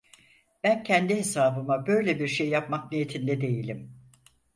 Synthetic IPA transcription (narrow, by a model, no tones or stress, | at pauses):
b̥æncʰɛnd̪iɦe̞saːbɯmabø̞jlʲebiɾʃe̞jːapmak̚nijet̪ʰind̪ɛd̪e̞jilʲim